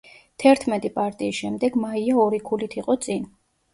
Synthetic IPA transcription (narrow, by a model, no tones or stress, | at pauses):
t̪ʰɛɾt̪ʰmɛt̪ʼipʼaɾt̪ʼiːsʃɛmd̪ɛɡmaiaɔɾikʰulit̪ʰiqʼɔt̪sʼin